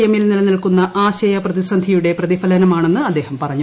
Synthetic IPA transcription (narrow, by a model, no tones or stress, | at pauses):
jɐmilnilɐnilkunːɐʔaːɕɐjɐprɐðisɐnd̪ʱijuɽe̞prɐðifɐlɐnɐmaːɳe̞nːɨɐd̪ːe̞ːhɐmpɐrɐɲːu